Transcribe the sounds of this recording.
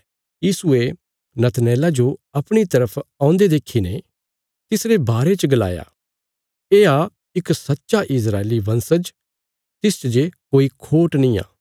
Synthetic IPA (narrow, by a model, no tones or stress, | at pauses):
jiːsʊe | nɐt̪nɛːlad͡ʒoɐpɽ̃it̪ɐɾəpʰãːʊ̃nd̪ed̪eːkʰːine | t̪ɪsɾebaːɾet͡ʃɡɐla̰ːja̰ | eːa | ɪksɐtːʃaʔɪs̬ɾaːeliʋɐ̃nsəd͡ʒ | t̪ɪst͡ʃd͡ʒekoːikʰoːʈnĩːa̰ː